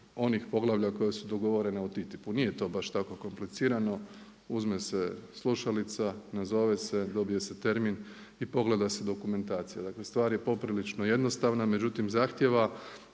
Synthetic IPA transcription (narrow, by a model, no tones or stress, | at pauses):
o̞nixpo̞ɡlˠaʋʎʲako̞jesud̪o̞ɡo̞ʋo̞ɾe̞neut̪it̪ipuniːje̞t̪o̞ːbaʃt̪ako̞ko̞mplit̪siːɾano̞ | uzmese̞slˠuʃalit̪sanazo̞ʋe̞se̞d̪o̞bije̞se̞t̪e̞ɾmin | ipo̞ɡle̞d̪ase̞d̪o̞kume̞nt̪aːt̪sijad̪akle̞st̪ʋaːɾje̞po̞pɾilit͡ʃno̞je̞d̪no̞st̪aʋname̞d͡ʒut̪imzaːxt̪je̞ʋa